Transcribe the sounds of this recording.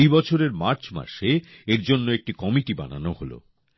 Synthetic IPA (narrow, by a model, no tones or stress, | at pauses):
jbɔt͡ɕʰoɾeɾmaɾt͡ɕma̰ɾʃe | eɾd͡ʑonːoek̚ʈikɔmiʈiba̰na̰noholo̰